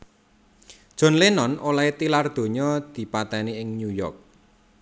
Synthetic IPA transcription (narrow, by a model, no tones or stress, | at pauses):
d̥ʒ̥ɔ̤nlenɔnolaet̪ilard̪̥o̤ɲɔd̪̥i̤pat̪ɛniɪŋnujɔ̰rk̚